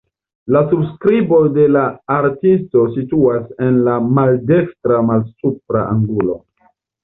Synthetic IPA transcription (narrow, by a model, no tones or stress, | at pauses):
lasubskɾibo̞de̞laːɾtisto̞situase̞nlamalde̞kstɾamalsup̚ɾa̰ʔaŋɡulo̞̰